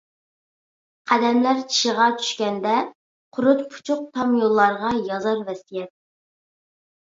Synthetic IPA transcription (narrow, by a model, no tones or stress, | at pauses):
qʰæd̪ɛmlæɾt͡ʃʰi̥ʃəʁɑt͡ʃʰy̥ʃkʲɛnd̪ɛ | qʰʊɾʊt̪pʰu̥t͡ʃʰʊq̚t̪ʰɑmjolˠːɑɾʁɑjɑzɑɾvɛsijɛt̪̚